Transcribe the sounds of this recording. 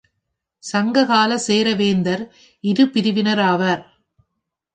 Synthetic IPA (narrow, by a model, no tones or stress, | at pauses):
sɐŋɡɐɣaːlɐseːɾɐʋeːnd̪ɐɾ | ɪɾɯpɪɾɪʋɪnɐɾaːʋɐɾ